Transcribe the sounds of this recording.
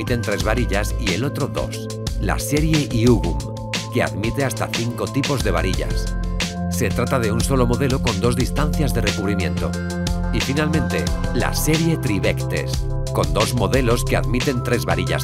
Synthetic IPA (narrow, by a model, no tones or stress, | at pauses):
it̪e̞nt̪ɾe̞zβaɾiʎasie̞lo̞t̪ɾo̞ðo̞̰s | la̰se̞ɾje̞ʔiuɣum | ke̞a̰ðmit̪e̞ast̪a̰θiŋko̞t̪ipo̞zðe̞βa̰ɾiʎa̰sse̞t̪ɾat̪að̞e̞unso̞lo̞mo̞ðe̞lo̞ko̞nd̪o̞zðist̪anθjazðe̞re̞kuβɾimjẽ̞̰nt̪o̞̰ | ifinalmẽ̞nt̪e̞̰ | la̰se̞ɾje̞t̪ɾiβekt̪e̞̰s | ko̞nd̪o̞zmo̞ðe̞lo̞ske̞a̰ðmit̪e̞nt̪ɾe̞zβaɾiʎa̰s